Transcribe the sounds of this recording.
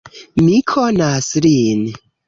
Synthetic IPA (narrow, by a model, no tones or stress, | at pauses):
mikʰonaslin